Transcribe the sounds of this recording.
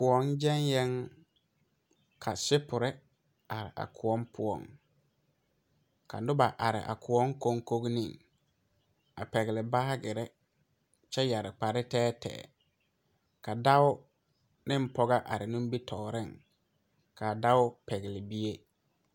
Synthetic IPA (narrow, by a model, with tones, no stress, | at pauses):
pʊ˨ɔ˨nd͡ʒɛ˦njɛ˦ŋ | kʰa˨sɪ˦pʊ˨ɾɪ˦ | a˨ɾɪ̰˨a̰˨kʰʊ˨ɔ˦m˦pʰʊ˨ɔ̰˨ŋ | ka̰˨dʊ˦ba˨ʔa˨ɾɪ̰˨ʔa̰˨kʰʊ˨ɔ˦ŋ˦ko˦ŋ˦ko˦ɡnɪ̰̃˦˨ŋ | a̰˨pɛ˨ɡɪ˨lɪ˨ba˦ɡɪ˨ɾɛ˦ | t͡ʃɛ˦ja˨ɾɪ˨k͡pa˨ɾɪ˦tɛː˦tʰɛ̰ː˨ | ka˨da˦ʊ˦ | nɪ˦m̩˦pɔ˦ɡa˦ʔa̰˨ɾɪ˨nʊ̃˦m˦bi˦tʰɔː˨ɾɪ˦˨ŋ | kʰa˨da˦ʊ˦pɛ˨ɡɪ˨lɪ˨bi˦e˦